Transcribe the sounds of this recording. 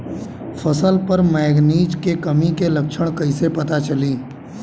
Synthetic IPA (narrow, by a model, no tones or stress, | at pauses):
fʰɐsəlpəɾmɛːɡniːd͡ʒkekɐmikelɐkʃʰəɽ̃kɐisepɐt̪at͡ʃɐliː